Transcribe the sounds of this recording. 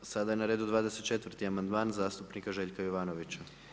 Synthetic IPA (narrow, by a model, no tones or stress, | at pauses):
sad̪aje̞naɾeːd̪ud̪ʋaːd̪e̞se̞t̪̚t͡ʃet̪ʋr̩ɾt̪iamand̪maːnzaːst̪upnikaʒe̞ːʎkajoʋaːno̞ʋit͡ɕa